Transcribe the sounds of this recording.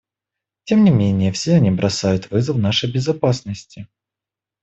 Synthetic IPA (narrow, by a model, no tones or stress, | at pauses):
tʲe̞mnʲɪmʲenʲɪjəfsʲeɐnʲibɾʔɐsajʊt̪vɨzəfnaʂəjbʲɪzɐpasnəsʲtʲɪ